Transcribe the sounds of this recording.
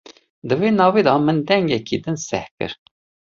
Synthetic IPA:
d̪ɨveːnɑːviːd̪ɑmənd̪ɛŋɡɛkid̪ɨnsɛhkɨ̰ɾ

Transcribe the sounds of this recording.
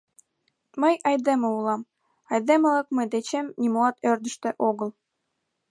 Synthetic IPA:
məjʔɑjd̪eməulɑm | ɑjd̪eməlɑkməjd̪et͡ɕemnʲimolɑt̪ørd̪ə̆ʃt̪ĕʔoɣəlˠ

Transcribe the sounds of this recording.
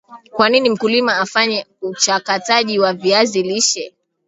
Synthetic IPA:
kwaninim̩kulimaːfaɲɛut͡ʃakataʄiwaviaziliʃɛ

